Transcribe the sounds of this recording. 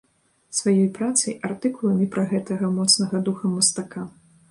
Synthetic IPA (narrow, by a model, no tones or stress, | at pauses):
svajɔjpɾat̪sɐjart̪ɨkulˠɐmʲɛpɾɐɣɛt̪ɐɣɐmɔt̪snɐɣɐd̪uxɐmɐst̪aka